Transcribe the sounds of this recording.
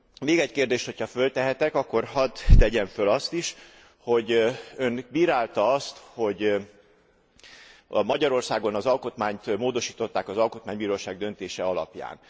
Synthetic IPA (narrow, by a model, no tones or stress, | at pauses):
meːɡɛckeːrd̪eːʃt̪ho̞cʰɒfø̞lt̪ɛɦɛt̪ɛkɒkːo̞rɦɒt̪ːɛɟɛɱfølɒst̪iʃ | ho̞ɟønbiːɾaːlt̪ɒɒst̪ho̞ɟ | mɒɟɒɾo̞rsaːɡo̞nɒzɒlko̞t̪maːɲt̪moːd̪o̞ʃiːt̪o̞t̪ːaːkɒzɒlko̞t̪maːɲbiːɾoːʃaːɡ̚d̪ø̞nt̪eːʃɛɒlɒ̰pja̰ːn